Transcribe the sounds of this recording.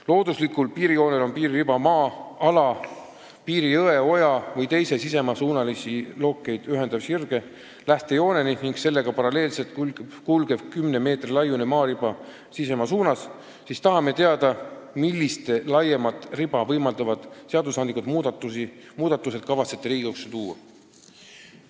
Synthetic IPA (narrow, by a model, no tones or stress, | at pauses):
lo̞ːd̪uslikˑulpiːɾijo̞ːne̞lo̞npiːɾiribɑmɑːɑlɑ | piːɾiɤe̞o̞jɑvɤjt̪e̞jse̞sise̞mɑsuːnɑlisilo̞ːkːˑe̞jd̪̥yɦe̞nd̪̥ɑvsirɡ̥e̞ | læht̪e̞jo̞ːne̞niniŋɡ̥se̞lːe̞ɡ̥ɑpɑɾɑle̞ːlse̞lt̪kkulɡ̥e̞v̥kymneme̞ːt̪rilɑjunemɑːɾibɑ | sise̞mɑsuːnɑs | sist̪ɑɦɑme̞t̪e̞ɑd̪ɑmilːist̪elɑjemɑt̪ːribɑvɤjmɑld̪̥ɑvɑd̪̥seɑd̪usɑnd̪likut̪mud̪ɑt̪imuːd̪̥ɑt̪ːˑuse̞d̪̥̚kɑvɑt̪se̞̥t̪ːˑeɾiːɡ̥ukset̪uːɑ̰